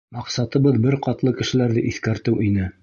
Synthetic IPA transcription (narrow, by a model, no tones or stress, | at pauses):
mɑqsɑt̪ɤ̆βɤðbɘɾqɑt̪lˠɤkɘ̆ʃɘ̆læɾðɘʔiθkæɾt̪ɘwʔinɘ